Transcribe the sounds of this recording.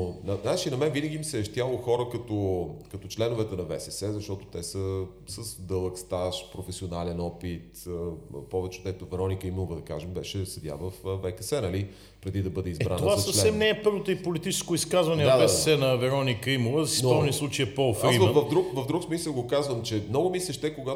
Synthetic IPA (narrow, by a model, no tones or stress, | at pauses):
ozɐzaɛt͡ʃinɐmɛvinəɡʲimsɛːʃt̪jalˠoxɔɾəkɐt̪okɐt̪ot͡ʃlɛnʊvɛt̪ɛnɐvɛ̰sɛsɛzɐʃt̪ɔt̪o̥t̪ɛsə | səsd̪ɤlˠəkst̪aʃpɾofɛsionalɛnɔpit̪ | pɔvɛt͡ʃɛod̪ɛt̪ovɛɾɔnikəimlˠvəd̪ɐka̰ʒɛmbɛʃɛsɐd̪ʲja̰vəfːɛkəsɛnɐli | pɾɛd̪id̪ɐbɤd̪ɛizɛbɾa̰noovasasəflɛsɛmnɛːpɤɾvot̪oipolit̪it͡ʃɛskʊiskazvɐnɛavɛsɛsɛnɐvɛɾɔnikəimulˠəzɐsisɔvnislˠut͡ʃejɛpɔːfɾaiməvɐfd̪ɾukvɐvd̪ɾuksmisəlˠɡokazvəmt͡ʃɛmnɔɡʊmislʲɛʃt̪ɛkoɡa